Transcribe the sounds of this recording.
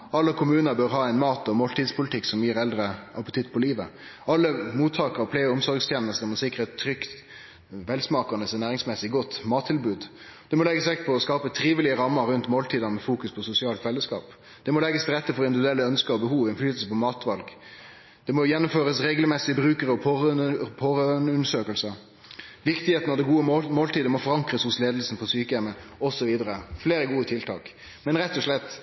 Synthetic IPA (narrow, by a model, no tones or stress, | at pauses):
ɑlːəkʰʊmʉːnəbøɾɦɑːɛɪnmɑːt̪ɔmoːlt̪iːd̪spʰʊlɪt̪ʰɪkːsɔmjiːɾɛld̪ɾəʔɑpət̪ʰɪt̪ːpʰɔliːʋəɑlːəmuːt̪ʰːɑːkəɾɔpʰleːəʊmsɔɾɡst̪ʰjɛːnəst̪əmɔsɪkɾəɛt̪ʰːɾʏkt̪ | ʋɛlsmɑːkɑnəsɛnæːʁɪŋsmɛsːɪɡɔt̪ːmɑːt̪ʰːɪlbʉːd̪ | d̪̥ɛmɔlɛɡːəsʋɛkt̪̚pʰɔɔskɑːpət̪ʰɾiːʋɪlɪəɾɑmːəɾːʉnt̪moːlt̪ʰiːd̪ɑnəmɛfuːkʉspʰɔsʊsɪɑːlt̪ʋɛlːəskɑ̰ːp | d̪̥ɛmɔlɛɡːəst̪ʰɾɛt̪ːəfɔɾɔɪnd̪ɪʋd̪ʉɛlːəœnskəɔbəhuːʋɪnflyːt̪l̩səpɔmɑːt̪ʋɑlɡ | d̪̥ɛmɔjɛnːʊmføːɾəsɾeːɡlmɛsɪəbɾʉːkəɾəɔppʰɔːʁnʉnəʂøːkəlsə | ʋɪkt̪ɪheːt̪nɑʋd̪ɛɡuːəmoːlt̪iːd̪əmɔfɔɾɑŋkʁəshʊsleːd̪əlsn̩pʰɔsyːkəɛməɔsɔʋiːd̪əɾəfleːɾəɡuːət̪ʰɪlt̪ʰɑ̰ːk | mɛnɾɛt̪ːɔʂlɛt̪ː